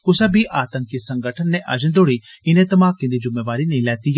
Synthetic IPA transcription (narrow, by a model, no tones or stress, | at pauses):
kʊsabʱiʔaːt̪ə̃ŋkɪsɐ̃ŋɡəʈʰənːɛ̃ʔɐ̰d͡ʒənd̪oːɽiɪnẽt̪ɐmaːkːĩnd̪id͡ʒʊmːeːʋaːɾinĩlɛːt̪ij